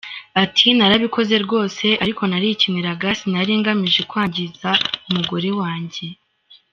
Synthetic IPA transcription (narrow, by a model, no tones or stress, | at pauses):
atʰinaɾaβiko̞ze̞ɾɡo̞ːse̞ʔaɾiko̞naɾicimŋe̞ɾaɡasinaɾiːŋɡamiʒe̞kwaːɲɟizaumuɡo̞ɾe̞waːɲɟe̞